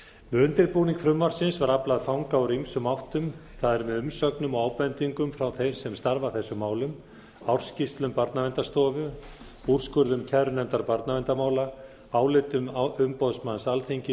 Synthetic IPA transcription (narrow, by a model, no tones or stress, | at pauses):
mʏnt̪ɪɾpuniŋkfɾʏmːaɾ̥sɪnsvaɾaplaðfawŋkawɾimsʏmawht̪ʏmθaðɛɾmɛðʏmsœknʏmɔaːwpɛnt̪iŋkʏmfɾawθejsɛmst̪aɾvaθɛsːʏmːaːwlʏm | awr̥scist̪lʏmpaɾt̪navɛnt̪ast̪ɔːvʏ | ur̥skʏɾðʏmcʰɛɾʏnɛnt̪aɾpaɾt̪navɛnt̪amaːwla | aːwlɪt̪ʏmʏmpɔðsmansalθiɲcɪ